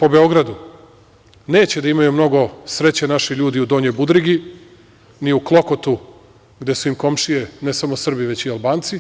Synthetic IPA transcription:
po̞be̞o̞ɡɾad̪u | ne̞ːt͡ɕed̪aimajumno̞ɡo̞sɾe̞t͡ɕenaʃiʎuːd̪iud̪o̞ːɲebud̪ɾiɡi | niuklˠo̞kot̪u | ɡd̪e̞suimko̞mʃijenesamo̞sr̩biʋe̞t͡ɕialˠbaːnt̪si

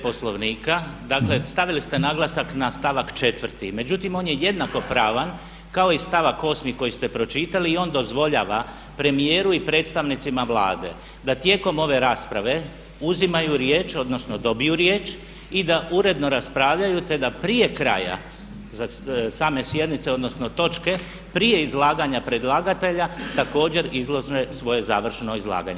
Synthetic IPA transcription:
poslo̞ʋniːkad̪akle̞st̪aʋilist̪e̞naɡlˠasaknast̪aʋakt͡ʃe̞t̪ʋr̩t̪ime̞d͡ʒut̪imo̞njeje̞d̪nako̞pɾaːʋan | kao̞ist̪aʋakːo̞smiko̞jist̪e̞pɾo̞t͡ʃit̪aliːo̞nd̪o̞zʋo̞ʎa̰ːʋa | pɾe̞mije̞ːɾuipɾet̪st̪aʋnit̪simaʋla̰ːd̪e̞̰ | d̪at̪je̞ːko̞mo̞ʋe̞ɾaːspɾaʋe̞ | uzimajuɾjeːt͡ʃo̞d̪no̞sno̞d̪o̞bijuɾjeːt͡ʃ | id̪aʔuɾe̞d̪no̞ɾaspɾaːʋʎajut̪e̞d̪apɾije̞kɾa̰ja̰ | zasaːme̞sje̞d̪nit̪seo̞d̪no̞sno̞t̪o̞t͡ʃke̞ | pɾije̞izlˠaːɡaɲapɾed̪lˠaːɡat̪e̞ʎat̪ako̞ːd͡ʑe̞ɾizlˠo̞ʒnesʋo̞je̞za̰ːʋr̩ʃno̞izlˠa̰ːɡa̰ɲe

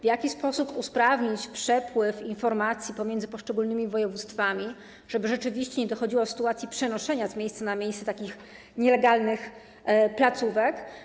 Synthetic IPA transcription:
vʲjakʲispɔsupuspɾavɲit͡ɕpʂɛpwɘfinfɔɾmat̪sʲjipɔmʲjɛnd̪zɘpɔʂt͡ʂɛɡulnɘmʲivɔjɛvut̪st̪famʲi | ʐ̥ɛbɘʐɛt͡ʂɘvʲiɕt͡ɕɛɲɛd̪ɔxɔd͡ʑiwɔsɘ̥t̪uat̪sʲjipʂɛnɔʂɛɲazmʲjejst̪sanamʲjejssɛt̪akʲix | ɲɛlɛɡalnɘx | plat̪suvɛk

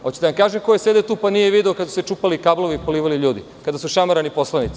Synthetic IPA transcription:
ot͡ɕed̪aʋamkaːʒemko̞jese̞d̪et̪uːpanijeʋid̪eokad̪asu̥set͡ʃuːpalikabloʋiːpoliːʋaliʎuːd̪i | kad̪asuʃamaɾanipo̞slˠanit̪si̥

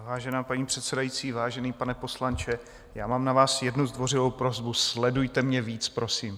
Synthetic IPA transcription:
vaːʒɛnaːpaɲiːpr̥ɛt̪sɛdajiːt͡siːvaːʒɛniːpanɛpo̞slant͡ʃɛ | jaːmaːmnavaːsjɛdnuzd̪vo̞rɪvo̞wpɾo̞zbuslɛdujt̪ɛmɲɛviːt͡spɾo̞siːm

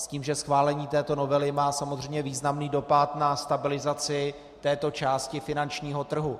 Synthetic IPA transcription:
sciːmʒɛsxvaːlɛɲiːt̪ɛːt̪o̞no̞vɛlɪmaːsamozr̝ɛjmɲɛviːznamniːdo̞pat̪nast̪abɪlɪzat͡sɪ | t̪ɛːt̪o̞t͡ʃaːscɪfɪnant͡ʃɲiːɦo̞t̪r̩ɦu

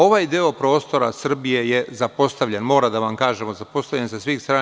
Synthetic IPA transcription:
o̞ʋajd̪io̞pɾo̞ːst̪o̞ɾasr̩bije̞je̞zapo̞st̪aʋʎenmo̞ːɾad̪aʋamkaːʒe̞mozapo̞st̪aʋʎensesʋiːxst̪ɾaː

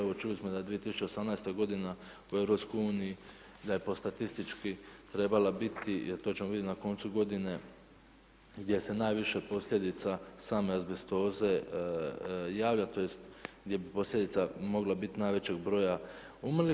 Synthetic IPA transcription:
eʋot͡ʃulismo̞d̪ad̪ʋije̞t̪isu̥t͡ʃe̞o̞samnajst̪oɡo̞d̪ina | ue̞vɾo̞pskojuːniji | d̪ajepo̞st̪at̪ist̪it͡ʃkit̪ɾe̞balabit̪ieɾt̪o̞t͡ɕemoid̪ʲet̪nako̞nt̪suɡo̞d̪ine̞ | ɡd̪je̞se̞najʋiʃepo̞slʎʲe̞d̪it̪sasaːmeazbest̪o̞ːze̞ | jaːʋʎat̪o̞jest̪ɡd̪je̞bipo̞slʎʲed̪it̪samo̞ɡlˠabit̪inajʋe̞t͡ɕe̞ɡbɾo̞ːja | umli

